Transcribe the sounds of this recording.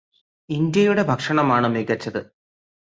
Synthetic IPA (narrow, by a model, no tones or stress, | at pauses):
ind̪jɐjuɽe̞bʱɐkʂɐɳɐmaːɳɨmeɡɐt͡ɕːɐðɨ